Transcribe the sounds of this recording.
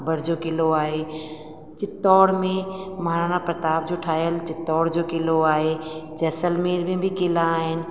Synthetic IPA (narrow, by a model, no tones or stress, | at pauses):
bəɾd͡ʒoːkɪloaːɦe | t͡ʃɪt̪ːɔːɽmẽmaːɾanapɾət̪aːb̚d͡ʒoʈʰaːjəlt͡ʃɪt̪ːɔːɽd͡ʒoːkɪloaːɦed͡ʒɛːsəlmeːɾmẽbʱikɪlaːɦɪnɪ̆